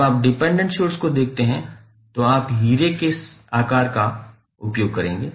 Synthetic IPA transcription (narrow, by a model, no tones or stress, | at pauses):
aːp̚ɖɪpɛ̃ɳɖə̃ɳʈʃoːɾskod̪eːk̚ʰt̪eɦɛ̃ | t̪oaːpɦiːɾekes | aːkaːɾka | ʊpjoːɡ̚kɐɾẽːŋɡeː